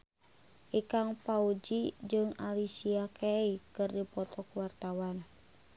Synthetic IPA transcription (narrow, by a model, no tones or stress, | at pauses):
ʔikaŋpaud͡ʒid͡ʒɨŋa̰lisiakʰeikɨrdipɔt̪ɔkuwart̪awan